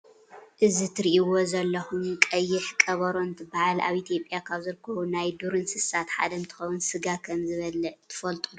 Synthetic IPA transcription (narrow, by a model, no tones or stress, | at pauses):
ʔɨzit̪ʰɨɾiʔiwozɐlːɐxumkʼɐjːɪħkʼɐβɐɾo̞nt̪ʰɨbahala̰βʔit̪ʰijo̞pʼjakʰaβzɨɾkʰɐβunajd̪uɾɨnsɨsat̪ħa̰d̪ɐmt̪ʰɨ̥xɐwunsɨɡakʰɐmzɨβɐlɐt̪ʰɨ̥fɐlt̪ʼud̪u